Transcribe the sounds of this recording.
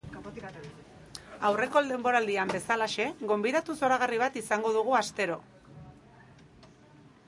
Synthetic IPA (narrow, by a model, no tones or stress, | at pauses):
awre̞ko̞ld̪e̞mbo̞ɾald̪iambe̞salaʃe̞ɣo̞mbiðat̪uso̞ɾaɣ̞ariβ̞at̪isaŋɡo̞ð̞uɣ̞uast̪e̞ɾo̞